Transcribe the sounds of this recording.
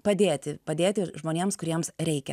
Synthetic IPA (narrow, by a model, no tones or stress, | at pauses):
pɐd̪ʲeːt̪ʲɪpɐd̪ʲeːt̪ʲɪʒmoːnʲeːmskʊɾʲiɛmsɾʲɛɪkʲɛ̰